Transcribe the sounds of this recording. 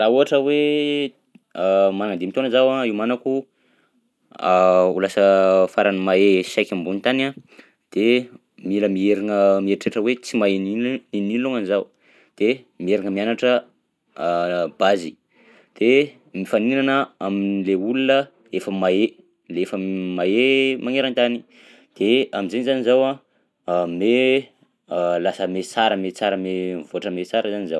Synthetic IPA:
lauɦaʈ͡ʂəwe | manaŋand̪imit̪onəzawaiwmanaku | ulasəfaɾanimaesajkʲambunit̪ana | d̪̥e | miləmieɾiŋəmieʈ͡ʂeʈ͡ʂəwet͡simaeninininiluŋanizaw | d̪̥e | mieɾiŋəmianaʈ͡ʂə | b̥azi | d̪̥e | mifaninanəamileulunə | efəmae | leefəmaemaŋeɾant̪ani | d̪̥eaminzenizanizawa | me | lasəmet͡saɾəmet͡saɾəmevoaʈ͡ʂəmet͡saɾəzanizaw

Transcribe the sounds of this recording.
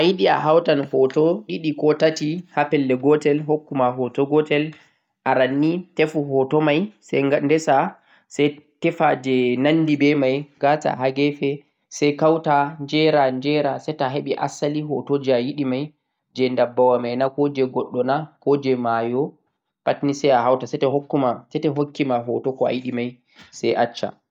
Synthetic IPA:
ʔajiɗia̰ɦawtanhɔtɔɗiɗikɔtatihapɛlːɛɡɔtɛlɦokːumaɦɔtɔɡɔtɛl | ʔaɾanːitɛfuɦɔtɔmajsɛɡandɛsa | sɛjtɛfad͡ʒɛnanːdibɛmajɡata̰ɦaɡɛfɛ | sɛjkawtand͡ʒɛɾand͡ʒɛɾasɛjtaɦeɓɛʔa̰saliɦɔtod͡ʒiajiɗimaj | d͡ʒɛndabːawamajnakɔd͡ʒɛɡɔɗːɔnakɔd͡ʒɛmajɔ | patnisɛjaɦawtasɛtɛɦokːumasɛtɛɦokːimaɦɔtɔkɔa̰jiɗimaj | sɛjʔat͡ʃːa̰

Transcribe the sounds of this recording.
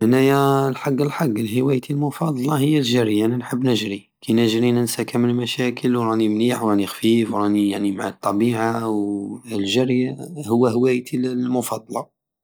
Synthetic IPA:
ʔənæjælħaɡːəlħaɡːlhəwæjt̪ʰilmʊfɑd̪ˤɑlɑhəjːælʒæɾjanænħəbːnəʒɾi | kʰanəʒɾinənsækæmənmæʃækʰəlwɾˤɑnimniħwɾˤɑnixfifwɾˤɑnijaʕnimaʕa̰t̪ˤːɑbiʕawlʒæɾjahʊwːæhəwæjt̪ʰilmʊfɑd̪ˤɑlɑ

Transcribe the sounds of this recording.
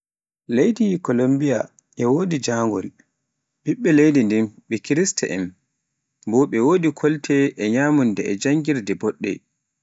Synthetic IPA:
lejdikɔlombija̰ | ʔɛwoːdid͡ʒaːŋɡɔ̰l | ɓiɓːɛlejdindimɓɛkiɾistɛ̰ʔɛm | bɔɓɛwoːdikʰɔltʰɛʔɛɲamundɛɛd͡ʒaŋɡiɾdɛbɔɗːɛ̰

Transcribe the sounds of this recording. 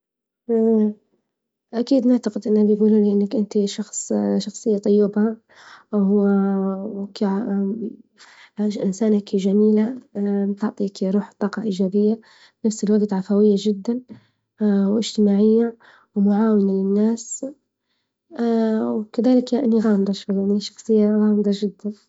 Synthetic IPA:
ʔakiːd̪nɪʕt̪aqɪd̪ʔɪnːhabɪjɡuːlulɪʔanːakʔɪnt̪iʃɑxsˤʃɑxsˤɨjːat̪ˤʊjːɪbha | ka | ʔɪnsaːnakʒamiːlat̪ʊʕt̪ˤikɾuːħt̪ˤːɑːqɑʔɪd͡ʒaːbɪjːa | b̥nafsɪlwaɡt̪ʕafhawɪjːaʒɪd̪ːan | wʔɪʒ̥t̪ɪmaːʕɪjːa | wmʊʕaːwɪnalɪnːaːs | wkaðaːlɪkjaʔanːiɣaːmd̪ˤɑʃwajaʕniʃɑ̥xsˤɨjːaɣaːmd̪ˤɑd͡ʒɪd̪ːan

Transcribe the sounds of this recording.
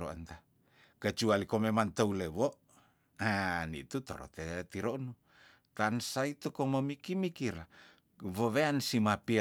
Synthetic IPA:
ɾo̰ə̰nt̪a | kət͡ʃualikomemant̪əuleβoʔ | anḭt̪ut̪o̰ɾɔ̰t̪et̪iɾonu | t̪ansait̪ukoməmikimikiɾa | βəβeansimapi

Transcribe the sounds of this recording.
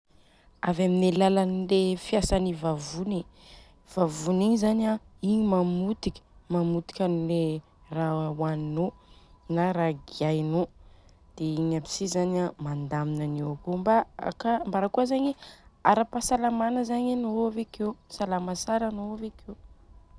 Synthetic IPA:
avaminelalanilefiasanivavuni | v̥avuniɲzanaiɲimamut̪ikʲə̥mamut̪i̥kʲanile | rawannonaɾaɡiajno | d̪̥eiɲapi̥sizanamand̪aminaniakombaa̰kambaɾakuəzaɲeaɾapasalamanəzaɲanoavekewsalamasaɾanoavekew

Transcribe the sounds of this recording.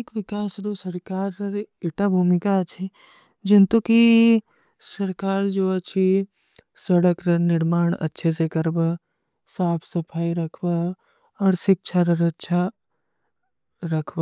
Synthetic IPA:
ekʋɪkaːsd̪osɐɾkaːɾɾɪʈabʱuːmɪkat͡ʃʰi | d͡ʒɪnt̪uki | sɐɾkaːɾd͡ʒoːɐt͡ʃʰi | sɐɽəkɾɐnɪɾmaːɳ̃ɐ̰tːʃʰesekɐɾbə | saːpʰsɐpʰaːiɾɐkʰbə | ɔːɾsɪk̚t͡ʃʰaɾɐɾɐtːʃʰa | ɾɐkʰba

